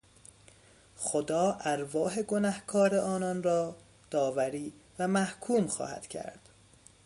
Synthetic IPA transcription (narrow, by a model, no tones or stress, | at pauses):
xod̪ɒːʔæɾvɒːɦe̞ɡo̞næhkʰɒːɾeʔɒːnɒnrɒː | d̪̥ɒːvæɾiːvæmæhkʰuːmxɒ̰ːhæ̰d̪̥cʰæ̰ɾd̪̥